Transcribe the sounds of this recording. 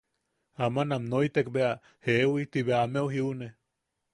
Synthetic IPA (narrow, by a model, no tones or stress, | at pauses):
amãnamnoit̪ekbea | heʔwit̪iβeameuɦiune